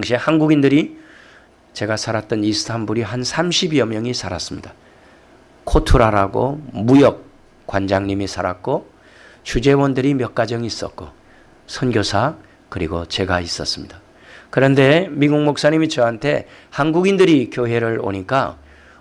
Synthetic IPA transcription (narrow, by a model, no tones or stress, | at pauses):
ŋɕʰihanɡuɡindɯɾi | t͡ɕe̞ɡasʰaɾat͈̚ʌnisʰɯ̥tʰambuɾiɦansʰamɕʰibiʌmjʌŋisʰaɾas͈ɯmɲida | kʰotʰuɾaɾaɡo̰mujʌk̚ | k͈wand͡ʑaŋɲimisʰaɾat̚k͈o | t͡ɕʰud͡ʑe̞wʌndɯɾimjʌk͈̚ad͡ʑʌŋis͈ʌ̰t̚k͈o̰ | sʰʌnɡjosʰa | kɯɾiɡot͡ɕe̞ɡais͈ʌs͈ɯmɲida | kɯɾʌnde̞miɡuŋmok̚s͈aɲimit͡ɕʌɦantʰe̞ | hanɡuɡindɯɾikjoɦe̞ɾɯɭo̰ɲik͈a̰